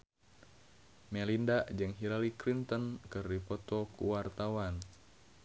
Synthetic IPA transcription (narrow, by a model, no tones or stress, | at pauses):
mɛlindaʔd͡ʒɨŋɦilalikɾint̪ənkɨrdipɔt̪ɔkṵwart̪awan